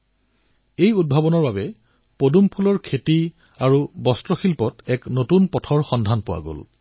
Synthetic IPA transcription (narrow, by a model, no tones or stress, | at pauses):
ejud̚bʱabɔnɔɹbabɛ | podumpʰulɔɹkʰeti | aɹubɔstɹɔxilpɔtɛknotunpɔtʰɔɹxɔndʱanpʊwa̰ɡo̰l